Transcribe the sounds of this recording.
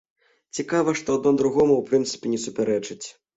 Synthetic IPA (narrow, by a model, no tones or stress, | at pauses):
t͡sʲikavɐʂt̪ɔad̪̚nɔd̪ɾuɣɔmuwpɾɨnt̪sɨ̥pʲɛnʲɛsupʲɛɾɛt͡ʂɨt͡sʲ